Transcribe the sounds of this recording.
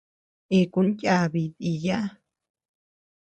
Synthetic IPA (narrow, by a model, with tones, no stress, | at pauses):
e˧˨ku˧˦nɟʲa˧˨βi˨˧ði˧ja˦